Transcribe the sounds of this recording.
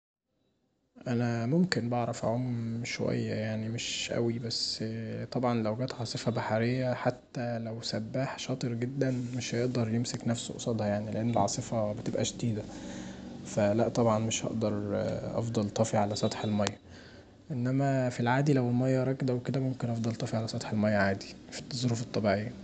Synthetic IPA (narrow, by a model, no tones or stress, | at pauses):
ʔænæmomkenbɑʕɾˤɑfæ̰ʕomːʃowæ̰jːæjaʕnimeʃʔæ̰wibæsːt̪ˤɑbʕɑnlæwɡæːt̪ʕɑːsˤefɑbaħaɾejːæħat̪ːælæwsæbːæːħʃɑːt̪ˤɨɾɡed̪ːænmeʃhæjeʔd̪ɑɾˤjemseknæfso̰ʔsˤɑd̪ˤhɑjaʕnileʔenːelʕɑ̰ːsˤefɑbet̪ebʔæʃd̪iːd̪æ | fælæʔt̪ˤɑbʕɑnmeʃhɑ̰ʔd̪ɑɾˤʔɑ̰fd̪ˤɑlt̪ˤɑfiʕalæsˤɑt̪ˤħelmɑjːɑ | ʔenːæmæfilʕaːd̪ilæwelmɑjːɑɾˤɑkd̪æweked̪æmomkenʔɑfd̪ˤɑlt̪ˤɑfiʕalæsˤɑt̪ˤħelmɑjːæʕaːd̪i̥fi̥t̪ˤːɑzˤɾufet̪ˤːɑbiʕejːæ